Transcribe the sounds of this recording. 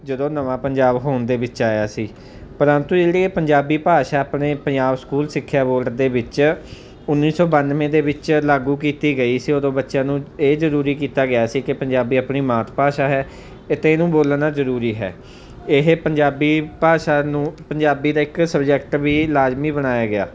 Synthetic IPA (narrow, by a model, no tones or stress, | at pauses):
d͡ʒəd̪õːnəʋãːpəɲd͡ʒaːbɦoːnd̪eːʋɪt͡ʃaːjaːsiː | pəɾənt̪ũːd͡ʒeːɽieːpəɲd͡ʒaːbiːpaːʃaːaːpneːpəɲd͡ʒaːbskuːlsɪkʰːjaːboːlʈd̪eːbɪt͡ʃ | ʊnːiːsɔːbənmẽːd̪eːbɪt͡ʃlaːɡũːkiːt̪iːɡəiːsiːoːd̪õːbətːʃãːnũːeːzəɾuːɾiːkiːt̪aːɡɪjaːsiːkɪpəɲd͡ʒaːbiːaːpɳiːmaːt̪ʰpaːʃaːɦɛː | ɪt̪enũːboːlnaːzəɾuːɾiːɦɛ̰ː | ɪɦpəɲd͡ʒaːbiːpaːʃaːnũːpəɲd͡ʒaːbiːd̪aːɪksəbd͡ʒɛːkʈʋiːlaːzmiːbənaːjaːɡɪja̰ː